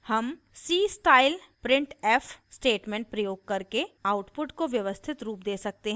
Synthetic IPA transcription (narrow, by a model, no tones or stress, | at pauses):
hɐm | siːsʈaːɪlpɾɪ̃ɳʈɛːfʰsʈeːʈmẽɳʈ̚pɾɐjoːɡ̚kɐɾkeaːʊʈpʊʈkoʋjɐʋəst̪ʰɪt̪ɾuːp̚d̪eːsɐk̚t̪eɦ